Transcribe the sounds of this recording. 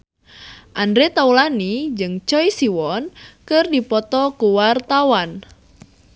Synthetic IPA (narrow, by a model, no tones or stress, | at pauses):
ʔandɾet̪aulanid͡ʒɨŋt͡ʃɔjsiwɔnkərdipɔt̪ɔkuwart̪awan